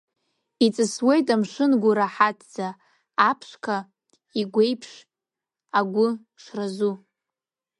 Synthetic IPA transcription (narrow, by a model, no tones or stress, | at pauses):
it͡sʼɨswe̞jtʼamʂɨnɡʷʊɾaħatʰd͡zaː | pʰʂkʰa | iɡʷe̞jpʰʂ | aɡʷʊ | ʂrazu